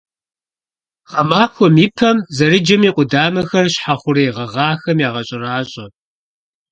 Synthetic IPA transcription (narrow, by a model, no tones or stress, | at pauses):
ʁɐmaːkʷʰɔmipʰɐmzɐɾɨd͡ʒɐmiːqʷʼʊdaːmɐxɐrɕħaχʷʊreːʁɐʁɑːxɐmjaːʁɐɕʼɪraːɕʼɐ